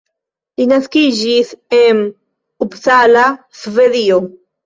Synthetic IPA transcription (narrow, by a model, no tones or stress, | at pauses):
linaskid͡ʒisen | ubsalasveðio